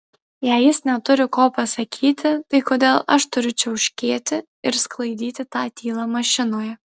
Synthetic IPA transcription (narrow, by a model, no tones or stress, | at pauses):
jɛɪjɪsnʲɛt̪ʊɾʲɪkoːpɐsɐkʲʰiːt̪ʲɪt̪ɐɪkoːd̪ʲeːlˠɐʃt̪ʊɾʲʊt͡ʃʲɛʊʃʲkʲeːt̪ʲɪ | ɪɾsklˠɐɪd̪ʲiːt̪ʲɪt̪ɑːt̪ʲiːlˠɑːmɐʃʲɪnoːjɛ